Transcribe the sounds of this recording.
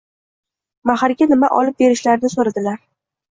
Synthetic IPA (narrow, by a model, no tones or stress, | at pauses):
mahaɾɡʲanɪmaʔɒ̰lɪp̚be̞ɾɪʃlaɾnɪsoɾad̪ɪlaɾ